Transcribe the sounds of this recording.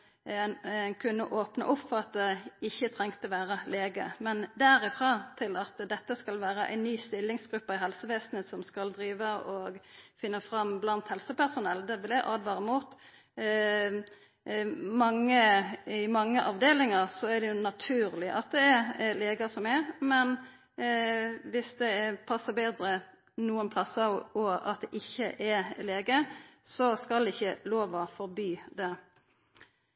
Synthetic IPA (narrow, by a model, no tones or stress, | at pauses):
nnkʰʉnːəʔoːpnə̰ʔʊpːfɔʁɑt̪̚d̪ɛɪçːət̪ʰʁɛŋt̪əʋæːɾəleːɡə̰mɛnd̪æɾɪfʁɑːt̪ʰɪlɑt̪d̪ɛt̪ːəskɑlʋæːɾəʔæ̰ɪnːyːst̪ɪlːɪŋsɡ̥ɾʉpːəɪɦɛlsəʋeːsnət̪sɔmskɑld̪ɾiːʋəɔɡfɪnːəfɾɑmblɑnt̪hɛlsəpæʁsʊnɛld̪ɛʋɪlɛʔɑːd̪ʋɑːɾɪmuːt̪ | mɑŋːəɪmɑŋːəʔɑʋd̪eːlɪŋəɾsɔæd̪ɛjʊnɑt̪ʰʉːʁlɪʔɑt̪̚d̪ɛɛɾleːɡɑsɔmɛɾmɛn | ʋɪsd̪ɛːpʰɑsːəbeːd̪ɾə | nuːənpʰlɑsɑʋɔɑ̰t̪̚d̪ɛʔɪçːəʔɛleːɡəsɔskɑld̪ɛɪçːəloːʋɑfɔɾbyːd̪ɛ